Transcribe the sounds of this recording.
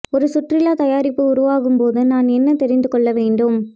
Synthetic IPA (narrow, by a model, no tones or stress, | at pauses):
ɔɾɯsʊʈrɪlaːt̪ɐjaːɾɪpːɯʊɾʊʋaːɣɯmpoːðɯnaːnɛnːɐt̪ɛɾɪnd̪ɯkɔɭːɐʋeːɳɖɯm